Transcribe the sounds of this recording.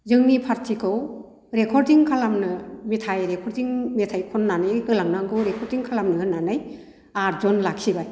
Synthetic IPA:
zɯŋnipʰaɾtʰikʰɯw | ɾekʰɔɾdiŋkʰalamnɯmetʰajɾekʰɔɾdiŋmetʰajkʰɔnːanɯjhɯlaŋnaŋɡʰɯwɾekʰɔɾdiŋkʰalamnɯɯnːanɯj | aɾzɔnlakʰibaj

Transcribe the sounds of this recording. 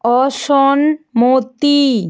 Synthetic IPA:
ɔʃɔnmot̪i

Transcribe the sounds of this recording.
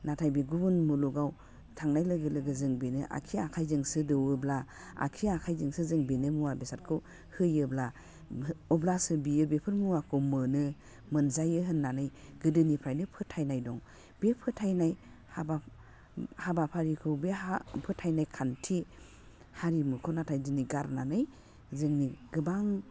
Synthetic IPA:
natʰajbiɡubunmuluɡaw | tʰaŋnajlɯɡɯlɯɡɯzɯŋbenɯʔa̰kʰiakʰajzɯŋsɯdɯwɯbla | a̰kʰiakʰajzɯŋsɯzɯŋbenɯmuwabesat̚kʰɯw | hɯjɯbla | ɔblasɯbijɯbepʰɯɾmuwakʰɯwmɯnɯ | mɯnzajɯɦɯnːanɯjɡɯdɯnipʰajnɯpʰɯtʰajnajdɔŋ | b̥epʰɯtʰajnaj | haba | habapʰaɾikʰɯwbeapʰɯtʰajnajkʰantʰi | haɾimɯkʰɔnatʰajziniɡaɾnanɯj | zɯŋniɡɯbaŋ

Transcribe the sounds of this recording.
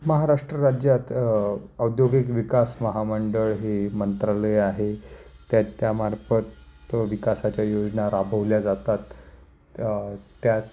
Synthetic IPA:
məɦaɾaʂʈɾəɾad͡ʑjat̪əwd̪joɡikʋikasməɦaməɳɖəɭɦemənt̪ɾaləjaɦet̪jat͡ɕjamaɾfət̪ʋikasat͡ɕjajod͡ʑnaɾabʱəʋljad͡zat̪at̪ | jat͡s

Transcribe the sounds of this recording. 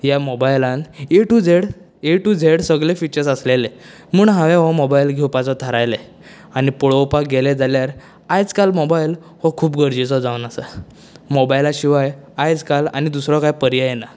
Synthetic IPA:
jamobajlãneʈud͡zʱeɽ | eʈud͡zʱeɽsəɡɭefit͡ɕəɾsəslele | muːɳɦaʋeɦɔmɔbailɡʱewpat͡sɔt̪ʰəɾajle | añipɔɭowpakɡeled͡zaljaɾ | ajd͡zkalmobail | hɔkʰuːpɡʱəɾd͡ʑisɔd͡zawnasa | mɔbailaɕiʋajajd͡zkala̰nid̪usɾɔkajpəɾjajena

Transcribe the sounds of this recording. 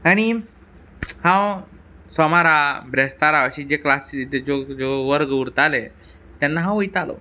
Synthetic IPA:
aɽ̃i | hãw | sɔmaɾabɾɛst̪aɾaəɕiːd͡ʑeklasid͡zod͡zoʋəɾɡəuɾt̪ale | t̪anːaɦãw̃ojt̪alo̰

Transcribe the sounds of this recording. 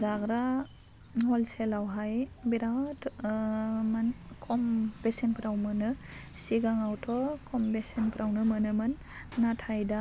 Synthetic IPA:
zaɡɾa | hɔlselawɦajbiɾat | mɯnkʰɔmbesenpʰɾawmɯnɯsiɡaŋawtʰɔkʰɔmbesenpʰɾʔawnɯmɯnɯmɯnː | atʰajda

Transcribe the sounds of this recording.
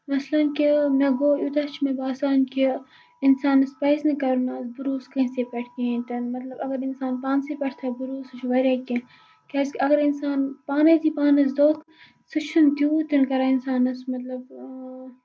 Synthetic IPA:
mɐslɐnkimeɡoːjut̪ɐt͡ʃʰmebaːsaːnki | insaːnɐspɐsnɐkɐɾunaːsbuɾuːskɐsepʲɐʈʰkẽt̪ɐnmɐt̪lɐbɐɡɐɾinsaːnpaːnsepʲɐʈʰt̪ʰɐbuɾuːsɨt͡ʃʰʋɐɾʲaːki | kʲɐskɐɡɐɾinsaːnpaːnɐt̪ipaːnɐs̬d̪oːk | sɨt͡ʃʰɨnt̪juːt̪inkɐɾainsaːnɐsmɐt̪lɐb

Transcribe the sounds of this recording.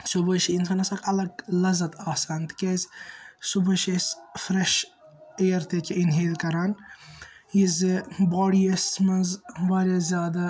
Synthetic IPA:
subɐʃiinsɐnɐsɐkʰɐlɐɡ̚lɐzɐt̪ʰaːsaːnt̪ɨ̥kʲezʲsubɐʃesfɾeʃ | ejɐɾt̪ʰekʰʲeinɦeːlkɐɾan | jizɨboːɽijɐsmɐzbaːɾʲazʲjaːd̪ɐ

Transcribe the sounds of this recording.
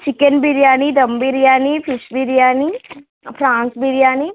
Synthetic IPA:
t͡ʃɪkənbiɾijaːnid̪əmbiɾijaːnipʰɪʃbiɾijaːni | pʰɾãːnsbiɾijaːni

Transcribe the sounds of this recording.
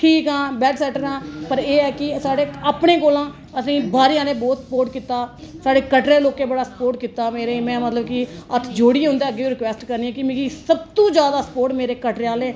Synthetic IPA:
ʈʰiːkãːbɛːɖsɛːʈəɾãːpəɾeːɛːkɪsaːɽeːaːpɳẽːkoːlãː | əsĩːbaːɾijãːnẽːbɔːt̪spoːɾʈkiːt̪aːsaːɖeːkəʈɾeːloːkeːbəɽaːsə̥poːɾʈ̚kiːt̪aːmeːɾeːmɛ̃ːmət̪ləb̚kɪət̪ʰd͡ʒoːɽiːɦʊ̃nd̪eːəɡːeːiːɾɪkʋɛːsʈkəɾniːɛ̃ːkɪmeːɡisəb̚t̪õːd͡ʒjaːd̪aːsə̥poːɾʈmeːɾeːkəʈɾeaːlẽː

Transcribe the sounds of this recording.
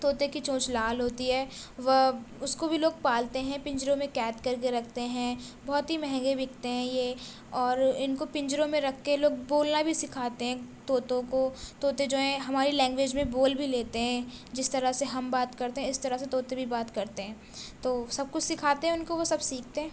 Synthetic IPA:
t̪oːt̪ekit͡ʃõːt͡ʃlaːlɦoːt̪iɦɛːʋɐʊskobʱiloːɡ̚paːlt̪eɦɛ̃pɪ̃ɲd͡ʒɾõmẽkɛːʈkɐɾkeɾɐkʰt̪eɦɛ̃bɔɦt̪ɦimɛɦɛ̃ŋɡebʱɪkʰt̪eɦɛ̃jeː | ɔːɾɪnkopɪ̃ɲd͡ʒɾõmẽɾɐkʰkeloːɡ̚boːlnabʱisɪkʰaːt̪eɦɛ̃t̪oːt̪õkot̪oːt̪ed͡ʒoːɛ̃ɦɐmaːɾilɛ̃ːŋɡʋeːd͡ʒmẽboːlbʱileːt̪eɦɛ̃d͡ʒɪst̪ɐɾəseɦɐmbaːt̪kɐɾt̪eɦɛ̃ɪst̪ɐɾəset̪oːt̪ebʱibaːt̪kɐɾt̪eɦɛ̃ː | t̪oːsɐb̚kʊt͡ʃʰsɪkʰaːt̪eɦɛ̃ʊnkoʋosɐbsiːk̚ʰt̪eɦɛ̃ː

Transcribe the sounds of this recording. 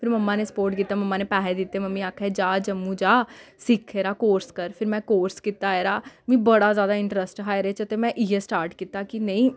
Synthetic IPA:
pʰɪɾməmːãːneːsə̥poːɾʈkiːt̪ːaːməmːãːneːpɛːɦed̪ɪt̪ːeːməmːĩːaːkʰɛːd͡ʒaːd͡ʒəmːũːd͡ʒaːsɪkʰːeːɾaːkoːɾskəɾpʰɪɾmɛ̃ːkoːɾskiːt̪ːaːeːɾaːmĩːbəɽaːzjaːd̪aːɪɳʈɾəsʈɦaːjɾeːt͡ʃət̪eːmɛ̃ːʔɪjeːsʈaːɾʈkiːt̪ːaːkɪnəĩː

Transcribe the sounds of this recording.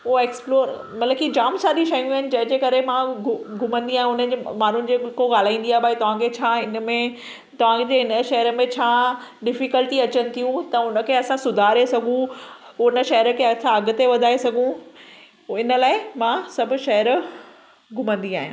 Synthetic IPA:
ʊoeːksploːɾ | mɐt̪ləbkid͡ʑaːmsaːɗiʃɐjũaɦɪnɪ̆d͡ʑɐ̃ɦɪ̃ɲd͡ʑeːkɐɾemãɡʱʊmə̃nd̪iaːɦɪ̃ʊnəd͡ʑemaːn̤ʊnɪ̆d͡ʑekoɡaːl̤aːĩːn̆d̪iaːɦebʱaːit̪ɐʋ̤ãkʰet͡ɕʰaːɪnmẽ | t̪ɐʋ̤ãkd͡ʑeːɪnəʃɐɦəɾə̆mẽt͡ɕʰaː | ɗɪfikəlʈiɐt͡ɕənɪ̆t̪ʰijũt̪ɐʊnə̆kʰeːɐsãsʊd̪ʱaːɾesɐɡʱũʊnə̆ʃɐɦəɾəkʰeɐsãɐɡʊt̪eʋɐd̪ʱaːesɐɡʱũ | ɪnə̆laːɪmãsɐbʱʊ̆ʃɐɦəɾ | ɡʱʊmə̃nd̪iaːɦijũ

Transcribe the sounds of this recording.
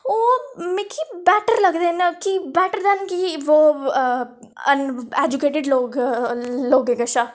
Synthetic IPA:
omẽkibɛʈəɾlɐɡd̪enkibɛʈəɾd̪ɛnkiʋo | əned͡ʒukeːʈɪɖloːɡ | loːɡeɡəʃa

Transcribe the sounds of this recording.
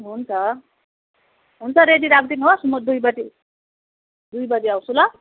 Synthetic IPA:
ɦunt͡sʰʌ | ɦunt͡sʰʌɾediɾaɡ̚d̪inɦosumud̪ujbʌd͡zi | d̪ujbʌd͡ziawsulʌ

